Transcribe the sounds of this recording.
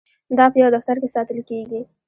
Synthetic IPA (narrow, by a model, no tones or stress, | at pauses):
d̪ɑpəjawd̪axt̪aɾkesɑt̪əlkeɡi